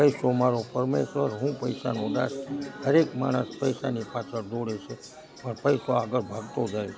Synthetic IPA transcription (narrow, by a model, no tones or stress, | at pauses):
pəjsomaɾopəɾmeʃʋəɾɦũpəjsanod̪a̰shəɾekma̰ɽ̃əspəjsanipat͡ʃʰəɾd̪oɽet͡ʃʰe | pəɾpəjsoaɡəɭbʱəɡt̪od͡ʒaj